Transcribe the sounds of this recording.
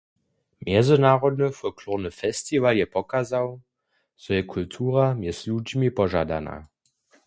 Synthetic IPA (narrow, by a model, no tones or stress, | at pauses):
mjɛzənaːʁɔdnəfɔlkʰluʁnəfɛstivaljɛpɔkazaw | z̥ɔjɛkʰultʰuːʁamjɛslʲud͡ʑmipɔʒa̰da̰na̰